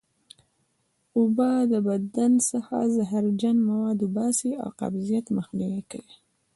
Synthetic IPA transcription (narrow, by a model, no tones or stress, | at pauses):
ʊbɑd̪əbad̪ansəxa̰zaɦaɾd͡ʒanmawɑd̪ʊbɑsia̰wqa̰bzijat̪məxniwikawi